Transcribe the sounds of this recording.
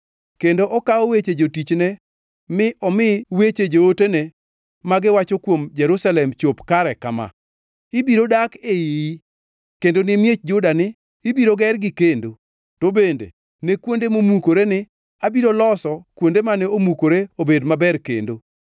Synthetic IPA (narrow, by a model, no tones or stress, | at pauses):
kendoʔɔkaowet͡ʃed͡ʒotit͡ʃnɛ | mɪʔɔmɪwet͡ʃed͡ʒootene | maɡɪwat͡ʃokwomd͡ʒɛɾusalɛmt͡ʃopkaɾɛkama̰ | ɪbiɾodakejiji | kendonɪmjet͡ʃ̚d͡ʒʊdanɪː | biɾoɡɛrɡɪkendo | tobendḛ | nekwondemomukoɾenɪ | abiɾolɔsɔkwondemanɛomukoɾeobedmabɛɾkḛndo